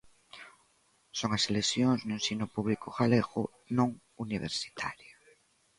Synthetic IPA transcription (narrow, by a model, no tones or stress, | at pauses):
soŋaselesjõŋznʊẽnsinʊpuβlikʊɣaleɣʊ̰ | nõŋ | uniβ̞ḛɾsi̥t̪ʰa̰ɾjo